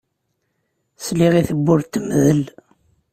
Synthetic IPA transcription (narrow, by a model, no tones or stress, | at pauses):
sliʁiθəbːʊɾt̪ːəmðəl